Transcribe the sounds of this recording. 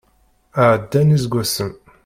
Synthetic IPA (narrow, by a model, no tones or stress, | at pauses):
aːd̪ːænizɡʷasəm